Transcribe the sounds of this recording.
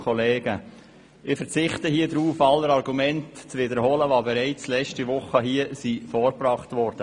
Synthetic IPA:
kʰɔleːɡə | ɪfəɾt͡sɪχtəhiədɾuːfɑlːəɾɑɾɡumɛntt͡sʋɪdəɾhɔləʋɑːbɛɾaɪt͡slɛt͡ʃtiʋʊχəɦiːəsifɔːɾbrɑχtvɔɾd̥ə

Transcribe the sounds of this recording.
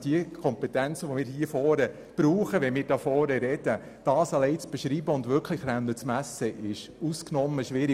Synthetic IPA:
d̥iəkʰɔmpɛtænt͡səʋomɪːɾɦiːfɔːɾə | b̥ɾuːχəʋɛmɪːɾd̥ɑfɔːɾəɾɛd̥ə | d̥ɑːsɑlɛɪt͡sb̥ɛʃɾiːbəʊndvʏɾkʰlɪχɾawnət͡smæsəʔɪʃusknɔməʃʋɪɾi

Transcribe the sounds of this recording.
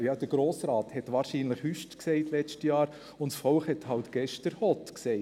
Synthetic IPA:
jɑd̥əɾɡ̥ɾoːsɾɑːthɛtʋɑːɾʃiːnləχhyʃtksɛɪtlɛt͡ʃtəjɑːɾ | ʊntsfɔlχhɛthɑltɡ̥ɛʃtəɾhɔtkseɪ

